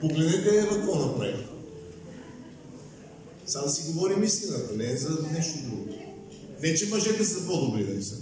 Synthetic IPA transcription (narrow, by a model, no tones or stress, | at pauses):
poɡlɛd̪ɛkɐɛvɐkɔnɐpɾa̰j | samosiɡovɔɾimist̪inat̪ɐnɛːzɐnɛʃt̪od̪ɾuɡo | vɛt͡ʃɛmoʒɛt̪ɛszɐpɔd̪obɾid̪anisa